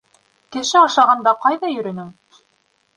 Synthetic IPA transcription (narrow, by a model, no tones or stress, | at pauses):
kɘ̆ʃɘɑʃɑʁɑnd̪ɑqɑjðɑjɵ̆ɾɵ̆nɘŋ